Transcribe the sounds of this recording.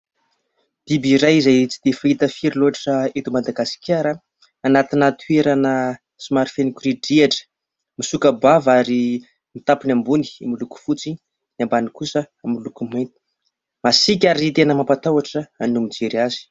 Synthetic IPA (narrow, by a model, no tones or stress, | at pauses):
d̪̥ibiɾajizajt͡si̥d̪̥efait̪əfiɾiloaʈ͡ʂəet̪umad̪aɡasi̥kʰʲaɾə | anat̪inat̪ʰueɾanə | simaɾifenikʲuɾiɖ͡ʐiaʈ͡ʂə̥ | misukəbavaɾi | mit̪apinambuni̥miluku̥fut͡si | nambanikusə | amilukumajt̪i̥ | masik̬ʲaɾit̪enəmampat̪awaʈ͡ʂəanumid͡ʒeɾiazi̥